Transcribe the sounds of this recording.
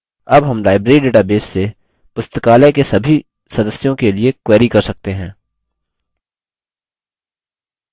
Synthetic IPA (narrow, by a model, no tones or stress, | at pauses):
ɐbɦɐmlaːɪbɾeːɾiɖeːʈabeːsːe | pʊst̪əkaːlɛkesɐbʱi | sɐd̪əsjõkeliekweːɾikɐɾsɐk̚t̪eɦɛ̃ː